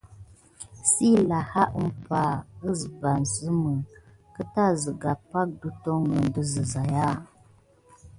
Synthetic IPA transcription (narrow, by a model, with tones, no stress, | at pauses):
si˦la˨ha˦ʔə˦m˦pa˨ə˦zba˨nzə˦mə˨ | kə˦ta˦˨zə˨ɡa˨pa˦k̚du˦to˦ŋɡə˨n˨də˦zə˨za˨ja˦˨